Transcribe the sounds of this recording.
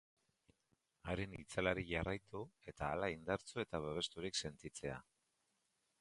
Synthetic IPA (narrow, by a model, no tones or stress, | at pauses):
aɾe̞nit͡salaɾiʝarajt̪ue̞t̪aːlaind̪aɾt͡soe̞t̪aβeβ̞e̞st̪uɾikse̞nt̪it͡se̞a̰